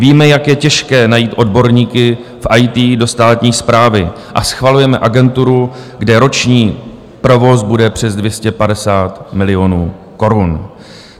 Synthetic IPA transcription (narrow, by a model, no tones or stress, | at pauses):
viːmɛjakjɛcɛʃkɛːnajiːt̪ʔo̞dbo̞ɾɲiːkɪ | fʔajt̪iːdo̞st̪aːt̪ɲiːspɾaːvɪ | ʔa̰sxvalujɛmɛʔaɡɛnt̪uɾuɡdɛɾo̞t͡ʃɲiː | pɾo̞vo̞sbudɛpr̝̥ɛzdvjɛscɛpadɛsaːt̪mɪlɪjo̞nuː | ko̞ɾun